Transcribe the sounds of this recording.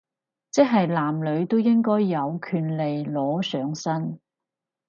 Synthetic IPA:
t͡sɛ˥ɦɐ˨jlaː˨˩mlɵ˨˧ɥt̪o˥wjɪ˥ŋkɔː˥jːɐ˨˧wkʰyː˨˧nle˨jlɔː˨˥sœː˨˧˥ŋsɐ˥n

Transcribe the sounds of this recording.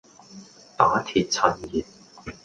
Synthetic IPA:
t̪aː˨˥t̪ʰi˨t̚t͡sʰɐ˨˩njiː˨˩t̚

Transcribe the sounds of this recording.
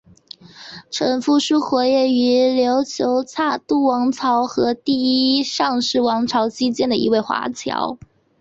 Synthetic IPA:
ʈ͡ʂʰɤ˧˥nfu˥˩ʂu˥xwɔ˧˥jɛ˥˩y˧˥ljo˧˥ʊt͡ɕʰjo˧˥ʊt͡sʰa˥˩t̪u˥˩wɑ˧˥ŋt͡sʰɑ˧˥ʊxɤ˧˥t̪i˥˩˥i˥ʂɑ˥˧ŋʂɻ̩˥˩wɑ˧˥ŋʈ͡ʂʰɑ˧˥ʊt͡ɕi˥t͡ɕjɛ˥˩nd̪ə˨˩ʔḭ˧˥we˥˩ɪxwa̰˧˥t͡ɕʰjɑ̰˧˥ʊ

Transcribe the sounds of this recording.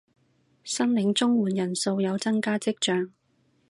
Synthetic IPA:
sɐ˥ŋlɪ˨˧˥ŋt͡sʊ˥ŋwuː˨˩njɐ˨˩nso˧wjɐ˨˧wt͡sɐ˥ŋkaː˥t͡sɪ˥k̚t͡ʃœː˧ŋ

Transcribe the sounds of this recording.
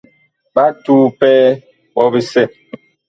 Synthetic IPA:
ɓa˦tuː˦pɛ˦ | bɔ˦be˦sɛ˦˨

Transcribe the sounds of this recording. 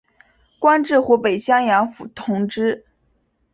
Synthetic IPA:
kwa˥nʈ͡ʂɻ̩˥˩xwu˧˥pe˨˩ɪɕjɑ˥ŋjɑ˧˥ŋfu˨˩t̪ʰʊ˧˥ŋʈ͡ʂɻ̩˥

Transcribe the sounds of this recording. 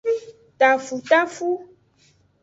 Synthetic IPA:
t̪a˨fu˨t̪a˦fu˦

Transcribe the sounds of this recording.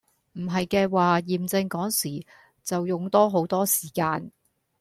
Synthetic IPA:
m̩˨˩ɦɐ˨jkɛː˧waː˨jiː˨mt͡sɪ˧ŋkɔː˨˥ŋsiː˨˩ | t͡sɐ˨wjʊ˨ŋt̪ɔː˥ɦo˨˥wt̪ɔː˥siː˨˩kaː˧n

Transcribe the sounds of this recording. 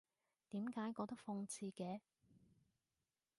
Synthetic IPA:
t̪iː˨˥mkaː˨˥jkɔː˧t̪ɐ˥k̚fɔ˧ŋt͡sʰiː˧kɛː˨˧

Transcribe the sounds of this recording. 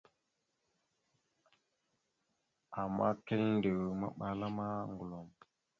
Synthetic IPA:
a˨mːa̰˦ke˦lndə˨wma̰˦ɓa˨la˦ma˦ŋ˨ɡu˨lo˨m

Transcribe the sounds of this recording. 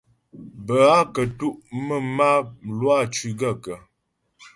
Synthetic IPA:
bə˨a˦kə˨tu˦ʔmə˦ma˦˨lwa˦˨t͡ʃʉ˨ɡə˦˨kə˨

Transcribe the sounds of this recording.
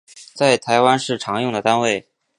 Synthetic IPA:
t͡sa˥˩ɪt̪ʰa˧˥ɪwa˥nʂɻ̩˥˩ʈ͡ʂʰɑ˧˥ŋjʊ˥˩ŋd̪ə˩t̪a˥nwe˥˩ɪ

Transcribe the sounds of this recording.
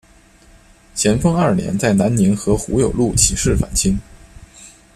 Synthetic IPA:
t͡ɕʰjɛ˧˥nfɤ˥ŋɐ˞˥˩njɛ̰˧˥nt͡sa˥˩ɪna˧˥nni˧˥ŋxɤ˧˥xṵ˧˥jo˨˩ʊlu˥˩t͡ɕʰi˨˩ʂɻ̩˥˩fa̰˨˩nt͡ɕʰi˥ŋ

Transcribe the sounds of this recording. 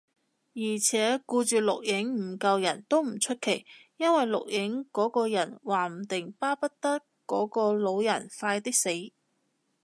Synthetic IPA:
jiː˨˩t͡sʰɛː˨˥kuː˧t͡ʃyː˨˧lʊ˨k̚jɪ˨˥ŋm̩˨˩kɐ˧wjɐ˨˩nt̪o˥wm̩˨˩t͡ʃʰɵ˥t̚kʰe˨˩jjɐ˥nwɐ˨jlʊ̰˨k̚jʔɪ˨˥ŋkɔː˨˥kɔː˧jɐ˨˩nwaː˨˩m̩˨˩t̪ɪ˨ŋpaː˥pɐ˥t̚t̪ɐ˥kːɔː˨˥kɔː˧lo˨˧wjɐ˨˩nfaː˧jt̪ɪ˥k̚se˨˥j

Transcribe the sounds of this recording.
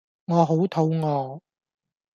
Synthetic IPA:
ŋɔː˨˧ɦo˨˥wt̪ʰo˨˥wŋɔː˨˧

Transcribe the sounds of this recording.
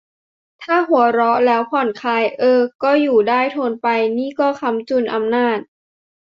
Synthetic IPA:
t̪ʰaː˥˩ɦu˩˦ɐɾɔ˦˥lɛː˦˥wpʰɔ˨˩nkʰaː˧jʔɤː˧kɔː˥˩juː˨˩daː˥˩jt̪ʰoː˧npa˧jniː˥˩kɔː˥˩kʰa˧mt͡ɕu˧˩nʔa˧mnaː˥˩t̪̚

